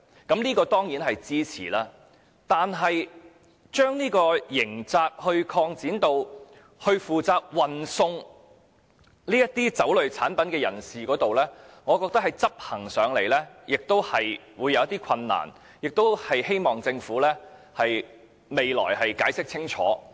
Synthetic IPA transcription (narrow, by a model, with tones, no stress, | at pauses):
kɐ˨˦˥mniː˥kɔː˧t̪ɔː˥ŋjiː˨˥nɦɐ˨jt͡siː˥t͡sʰḭː˨˩laː˧ | t̪aː˨nɦɐ˨j | t͡ʃœː˥ŋniː˥kɔː˧jɪ˨˩ŋt͡saː˧k̚hɵ˧ɥkʰɔː˧ŋt͡siː˨˥nt̪o˧w | hɵ˧ɥfuː˨t͡saː˧k̚wɐ˨nsʊ˧ŋ | niː˥jɐ˥t̚t̪iː˥t͡sɐ˨˥wlɵ˨ɥt͡sʰaː˨˥npɐ˨˥nkɛː˧jɐ˨˩nsiː˨kɔː˨˥t̪o˨wlɛː˥ŋɔː˨˧kɔː˧k̚t̪ɐ˥k̚hɐ˨jt͡sɐ˥p̚hɐ˨˩ŋsœː˨˧˥ŋle˨˩jlɛː˥jɪ˨k̚t̪o˥whɐ˨jwuː˨˧jːɐ˨˧wjɐ˥t̪iː˥kʰɐ˧nːa̰ː˨˩n | jɪ˨k̚t̪o˥whɐ˨jhe˥jmɔː˨ŋt͡sɪ˧ŋfuː˨˥lɛː˥ | hɐ˨j | me˨jlɔ̰ː˨˩jhɐ˨jkaː˨˥jsɪ˥k̚t͡sʰɪ˥ŋt͡ʃʰɔ̰ː˨˥